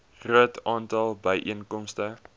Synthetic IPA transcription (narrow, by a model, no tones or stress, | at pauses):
χruətʰɑːntɐlˠbəjʔiənkɔmstə